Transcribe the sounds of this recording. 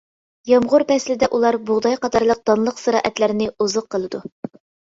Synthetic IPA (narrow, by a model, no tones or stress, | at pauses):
jɑmʁʊɾpɛslɪd̪ɛʔulˠɑɾbʊʁd̪ɑjqɑt̪ʰɑɾlˠəq̚d̪̥ɑnlˠəqsɨɾɑ̰ːʔɛt̪læɾɪnɪuzəqʰːəlˠɨd̪u